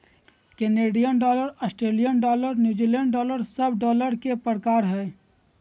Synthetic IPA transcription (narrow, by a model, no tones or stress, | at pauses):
keneːɖijənɖɔːləɾəsʈɾeːlijənɖɔːləɾnjuːd͡ʒileɳɖɖɔːləɾsəbɖɔːləɾkepɾəkaːɾɦɛː